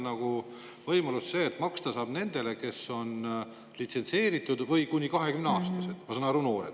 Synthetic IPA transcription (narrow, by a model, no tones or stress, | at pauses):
nɑɡ̥u | vɤjmɑlusse̞ːt̪ːˑmɑkst̪ɑsɑːb̥ne̞nd̪̥e̞le̞ke̞sːo̞n | lit̪se̞nse̞ːɾit̪ːˑud̪̥vɤjkunʲːikɑɦe̞kymneɑːst̪ɑse̞d̪̥ɑsɑnɑɾunoːɾḛd̪̥